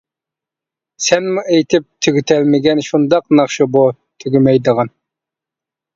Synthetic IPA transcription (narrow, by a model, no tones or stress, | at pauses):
sɛnmuʔejt̪ʰɪp̚t̪ʰyɡʲyt̪ʰɛlmɪɡʲɛnʃund̪ɑqnɑχʃubu | t̪ʰyɡʲymɛjd̪əʁɑn